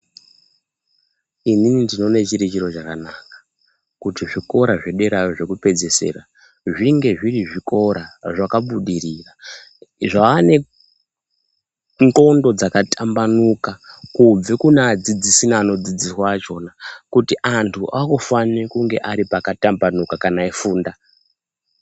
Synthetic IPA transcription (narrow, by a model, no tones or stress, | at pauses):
ininindino̞ne̞t͡ʃiɾit͡ʃiɾo̞t͡ʃakanaːkḁ | kutiʐiko̞ɾaʐeɗe̞ɾajoʐe̞kupe̞d͡ze̞se̞̰ra | ʐiŋɡe̞ʐiriʐiko̞ɾaʐakaɓuɗiriːra | ʐaane̞ | ŋko̞ndo̞d͡zakatʰambanukakub͡vekunead͡zid͡zisinaːno̞d͡zid͡ziswat͡ʃo̞nakutiʔantʰuʔakofanikuŋɡe̞̰ʔaɾipakatambanukakanaifuːnda